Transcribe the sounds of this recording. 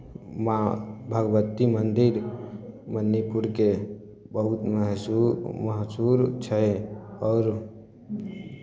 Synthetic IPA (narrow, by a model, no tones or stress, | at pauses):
mabʱəɡʋət̪ːimənd̪iɾ | mənːipuɾke | bəɦut̪məɦ | məɦsuɾt͡ʃʰəɔːɾ